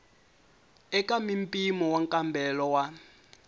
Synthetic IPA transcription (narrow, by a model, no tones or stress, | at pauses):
ɛkʼamimpʼimɔwaŋkʼambʱɛlɔwa